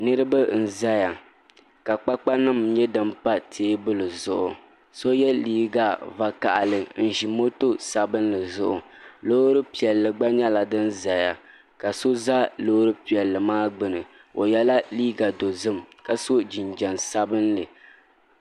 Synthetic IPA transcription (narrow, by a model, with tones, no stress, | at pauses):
nɨ˦ɾɨ˦ba˦n̩˨za˦ja˨ | ka˨k͡pa˦k͡pa˦nɨ˦mɲɛ˦dɨ˦m˦pa˦tʰeː˦bɨ˦lɨ˨zʊ˨ʔʊ˨ | so˦jɛ˦liː˦ɡa˨va˦ka̰˨ʔa̰˨lɨ˨n̩˨ʒi˨mo˦to˦sa˨bɨ˦nlɨ˨zʊ̰˦ʔʊ˨lo˦ɾɨ˦pi˨ɛ˨lːɨ˨ɡ͡ba˦ɲɛ˦la˨dɨ˦nza˨ja˨ | ka˨so˦za˦loː˦ɾɨ˦pi˨ɛ˨lːɨ˨maː˦ɡ͡bɨ˨nɨ˨ | o˨jɛ˦la˦liː˦ɡa˨do˨zɨ˦mka˦so˦d͡ʒi˨nd͡ʒɛ˨nsa˦bɨ˦nlɨ˨